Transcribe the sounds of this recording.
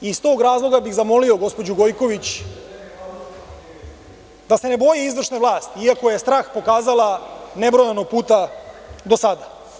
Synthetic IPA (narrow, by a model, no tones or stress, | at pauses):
ist̪o̞ːɡɾaːzlˠo̞ɡabiɣzamo̞lio̞ɡo̞spo̞d͡ʑuɡo̞jko̞ʋit͡ɕ | d̪ase̞ne̞bo̞jiizʋr̩ʂneʋvlˠaːst̪iiakojest̪ɾaːxpo̞kaːzalˠane̞bɾojanoɡ̚puːt̪a | d̪o̞sad̪a